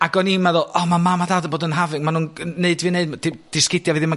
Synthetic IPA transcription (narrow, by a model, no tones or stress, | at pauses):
aɡɔnimaðɔːlɔmamamaðaːdəboːdənɦavɪŋmanuːnneɨdvineɨdd̥id̥ɪskɪdjavɨðima